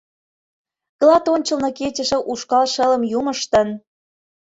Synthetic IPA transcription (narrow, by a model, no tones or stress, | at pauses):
ɣlɑt̪onʲt͡ɕə̆lnɤket͡ɕə̆ʃĕʔuʃkɑlʃə̆lə̆mjuməʃt̪ə̆n